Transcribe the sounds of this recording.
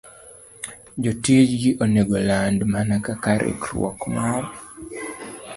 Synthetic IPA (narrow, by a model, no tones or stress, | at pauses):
d͡ʒotjed͡ʒɡiʔoneɡolandmanakakaɾḛkɾw̰ɔ̰kmaw